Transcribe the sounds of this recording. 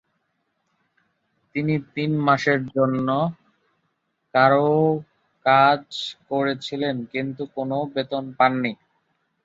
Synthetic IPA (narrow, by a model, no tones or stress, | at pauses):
t̪init̪inmaʃeɾd͡ʑonːo | kaɾo | kad͡ʑkoɾet͡ɕʰilenkint̪ukonobet̪onpanːi